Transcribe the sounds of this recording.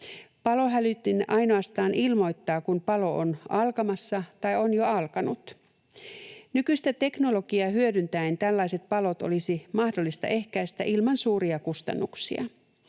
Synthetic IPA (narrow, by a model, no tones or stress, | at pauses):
pɑlo̞ɦælyt̪ːinʔɑjno̞ɑst̪ɑːnʔilmo̞jt̪ːɑːkunpɑlo̞ʔonɑlkɑmɑsːɑt̪ɑjonjoɑlkɑnut̪ | nykyist̪æt̪e̞kno̞lo̞ɡiɑɦyødynt̪æint̪ælːɑjse̞t̪̚pɑlo̞t̪o̰lisimɑhdolːist̪ɑ̰ʔe̞hkæjst̪æʔilmɑnsuːɾiɑkust̪ɑ̰nːuksḭɑ̰